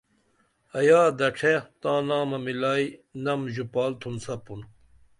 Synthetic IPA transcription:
ɐjaːd̪ɐʈ͡ʂʰet̪ãːnaːmɐmilaːinɐmʑupaːlt̪ʰunsɐpun

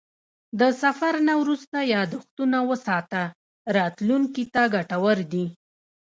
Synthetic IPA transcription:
d̪əsafaɾnawɾust̪ajɑd̪ʊxt̪unawəsɑt̪a | ɾɑt̪luŋkit̪aɡaʈawəɾd̪i

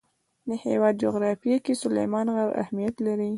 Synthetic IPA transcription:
d̪əhewɑd̪̚d͡ʒoɣɾɑfijakesʊlḛjmɑnɣaɾa̰hmijat̪laɾi

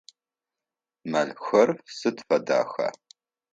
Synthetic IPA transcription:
mɐnxɐrsɨtfɐda̰ːxɐ̰

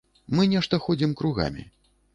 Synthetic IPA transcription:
mɨnʲɛʂt̪ɐxɔd͡zʲimkɾuɣa̰mʲḭ

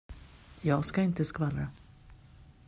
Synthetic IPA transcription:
jɑːɡskaɪnt̪əskvalɾa

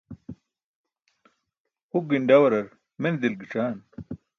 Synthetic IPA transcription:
huɡiɳɖɐwɐɾɐɾ | mend̪ilɡiʈ͡ʂaːn

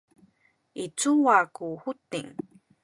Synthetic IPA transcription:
it͡suwakuhut̪ḭŋ

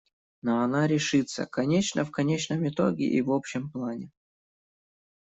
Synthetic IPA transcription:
noɐnaɾʲɪʂɨt̪sə̰kɐnʲet͡ɕnəfkɐnʲet͡ɕnəmɪt̪o̰ɡʲɪ̰ʔivopɕɪmplˠanʲɪ

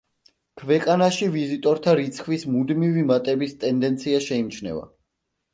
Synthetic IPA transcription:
kʰvɛqʼanaʃivizit̪ʼɔɾt̪ʰaɾit̪sʰχwismud̪mivimat̪ʼɛbist̪ʼɛnd̪ɛnt̪sʰiaʃɛimt͡ʃʰnɛ̰va̰

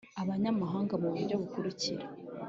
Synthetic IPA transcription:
aβaɲamaɦaːŋɡamuβuɾɟo̞βukuɾiciɾa

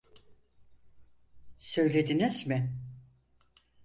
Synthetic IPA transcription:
sø̞jlʲe̞d̪inizmɪ

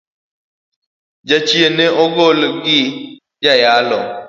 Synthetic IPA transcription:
d͡ʒat͡ʃieneɔɣolɡi | d͡ʒajalɔ̰

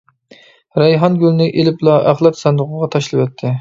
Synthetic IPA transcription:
ɾɛjɦɑnɡʲylnɪʔelɪplˠɑʔæχlˠɑt̪sɛnd̪ʊʁʊʁɑt̪ʰɑʃlˠɨpɛt̪ʰːɪ

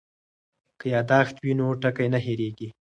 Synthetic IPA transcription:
kəjɑd̪ɑxt̪winoʈakajnaɦeɾeɡi

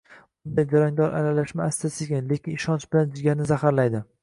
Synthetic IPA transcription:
bʊnd̪ajd͡ʒaɾaŋd̪ɒɾʔa̰lalaʃmaːst̪ʰasɪɡʲanle̞kʲɪnɪʃɒnt͡ʃbɪland͡ʒɪɡʲaɾnɪzahaɾlajd̪ɪ

